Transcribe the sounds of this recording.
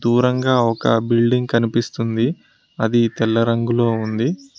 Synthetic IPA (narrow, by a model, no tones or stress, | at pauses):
d̪uːɾɐŋɡaːɔkɐ̰bilɖiŋɡ̚kɐnipist̪und̪i | ɐd̪it̪ɛlːɐɾɐŋɡulo̞ːund̪i